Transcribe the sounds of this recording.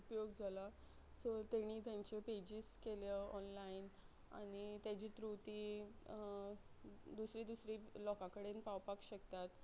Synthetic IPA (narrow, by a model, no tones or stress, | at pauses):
upjoɡd͡zʱala | sɔt̪eɽ̃iːt̪jaɲt͡ɕeped͡ʑiːskeljaɔnlain | a̰ɽ̃it̪jat͡ɕiːt̪ɾut̪iː | d̪usɾiːd̪usɾiːlɔkãkəɽenpawpakɕək̚t̪at̪